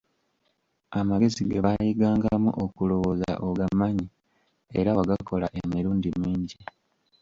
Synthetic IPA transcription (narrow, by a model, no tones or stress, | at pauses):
amaɡe̞ziɡeβajiɡaːŋɡamṵʔokulo̞woza̰ʔoɡamːaɲi | e̞ɾawaɡako̞laʔemiɾuːndimiːɲɟi